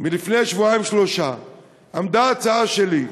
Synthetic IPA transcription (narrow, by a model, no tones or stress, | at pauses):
milifne̞ʃvuajimʃloʃa | amd̪aːt͡saaʃeli